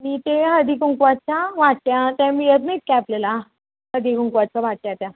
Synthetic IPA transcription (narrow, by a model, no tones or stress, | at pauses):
miːt̪eɦəd̪ikuŋkʋat̚t͡ɕaʋaʈ̚tjat̪jãmiət̪miːt̪̚kɛplela | ɦəd̪ikuŋkʋat̪̚t͡ɕaʋaʈ̚t̪jat̪jã